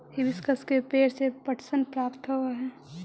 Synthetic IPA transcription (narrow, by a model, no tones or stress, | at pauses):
ibɪskəskepeːɾsepəʈʰsənpɾaːpt̪ɦoaɦɛː